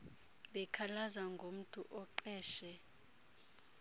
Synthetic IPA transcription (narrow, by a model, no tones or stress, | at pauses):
bɛkʰalazaŋɡʱom̩tʰʼuʔɔǃɛːʃɛ